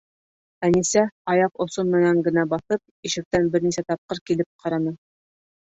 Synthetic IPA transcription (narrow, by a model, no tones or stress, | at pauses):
ænisæɑjɑqŏsonmɘ̆næŋɡɘ̆næbɑθɤp̚iʃɘ̆k̚t̪ænbɘɾnisæt̪ɑp̚qɤɾkilɘp̚qʰɑɾɑnɤ